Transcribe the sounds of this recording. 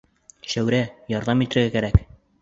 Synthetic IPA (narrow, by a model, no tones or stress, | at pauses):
ʃæwɾæjɒɾðɑmit̪ɘ̆ɾɡækæɾæk